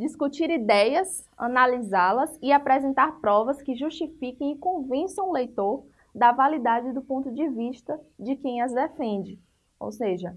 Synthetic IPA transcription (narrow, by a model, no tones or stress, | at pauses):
d͡ʒiskut͡ʃiɾid̪ɛjɐs | ɐ̰̃nalizalɐsɪapɾɛzẽnt̪aɾpɾɔvɐskɪʒuʃt͡ʃifikẽj̃ikõvẽsɐ̃w̃ʊlejt̪oɾ | d̪ɐvalid̪ad͡ʒɪd̪ʊpõnt̪ʊd͡ʒɪviʃt̪ɐd͡ʒɪkẽj̃ɐzd̪ɛfẽd͡ʒɪ | o̰wseʒɐ